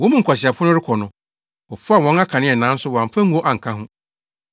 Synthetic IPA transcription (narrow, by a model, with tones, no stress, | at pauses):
wɔ̃˨˦mũ˦ŋ̩˨kʰʷa˨ɕi˨a˨fʊ˦nʊ̃˦ɾɪ˦kʰɔ˨nʊ̃˨ | ɔ˨fa˦˨wɔ̃˨˦na˦kʰã˨nɪ̃˦ɛ˨nã˨˦n̩˦sʊ˦wɔ˨a˨m˦fã˦ŋu˨˦o˦ʔa˨ŋ̩˨kʰã˦hʊ̃˦